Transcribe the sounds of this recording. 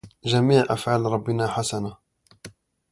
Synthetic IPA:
ʒamiːʕʔa̰fʕalɾˤɑbːɪnaħasana

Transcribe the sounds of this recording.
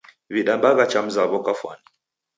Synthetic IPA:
βiɗambaɣat͡ʃam̩zaβɔkafwa̰ni

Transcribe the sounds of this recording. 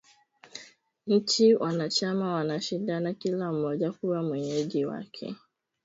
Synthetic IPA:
n̩t͡ʃiwʔanat͡ʃamawanaʃidanakilam̩mɔd͡ʒakuwamweɲed͡ʒiwa̰kʰḛ

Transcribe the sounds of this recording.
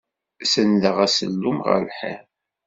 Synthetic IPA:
sənləʁæsə̰lːumʁə̰lħæ̰

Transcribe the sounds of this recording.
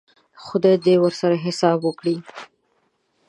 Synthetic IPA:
xʊd̪ejd̪ewəɾsaɾaɦɪsɑbwəkɽi

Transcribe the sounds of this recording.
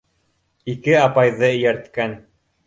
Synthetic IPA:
ikɘɑpɑjðɤɵ̆jæɾt̪kæn

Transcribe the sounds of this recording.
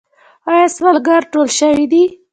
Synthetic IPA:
ɑjɑswalɡaɾʈolʃəwid̪i

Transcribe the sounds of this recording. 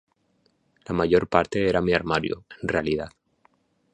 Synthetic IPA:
lamaʝo̞ɾpaɾt̪e̞eɾamiaɾmaɾjo̰e̞nrealiðað

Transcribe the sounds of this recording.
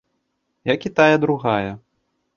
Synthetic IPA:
jakʲit̪ajɐd̪ɾuɣajɐ

